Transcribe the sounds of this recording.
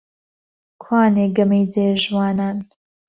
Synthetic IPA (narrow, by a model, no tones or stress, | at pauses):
kʰwaːneːɡɐmejd̪eːʒwaːnaːn